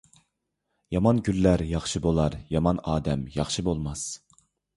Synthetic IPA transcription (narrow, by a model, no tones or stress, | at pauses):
jɑmɑnɡʲylːæɾjɑχʃɨbolˠɑɾjɑmɑnɑːd̪ɛmjɑχʃɨbolˠmɑs